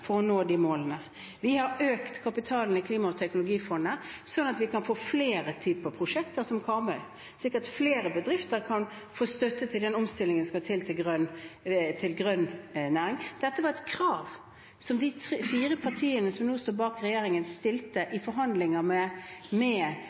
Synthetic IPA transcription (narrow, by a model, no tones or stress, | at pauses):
fɔɾɔnoːd̪imoːlənə | ʋɪhɑɾøːkt̪kʰɑpɪt̪ʰɑːln̩ɪkʰliːmɑʊt̪ʰɛknʊlʊɡiːfɔnəsɔnːɑt̪ʋɪkʰɑnfoːfleːɾət̪ʰyːpəɾpʰɾʊʂɛkt̪əɾsɔmkʰɑːmɑ | sɪkːəɾt̪fleːɾəbəd̪ɾɪft̪əɾkʰɑn | foːst̪œt̪ːət̪ʰɪld̪ɛnɔmst̪ɪlːɪŋənskɑt̪ʰɪlt̪ʰɪlɡɾœnt̪ʰɪlɡɾœnnæːɾɪŋd̪̥ɛt̪ːəʋɑɾɛt̪kʰɾɑːʋ | sɔmd̪ɪt̪ʰɾfiːɾəpʰɑʁt̪ʰiːənəsɔmnuːst̪uːɾbɑːkɾɛjeːɾɪŋənst̪ɪlt̪əʔɪfɔɾɦɑnd̪lɪŋəmɛmɛ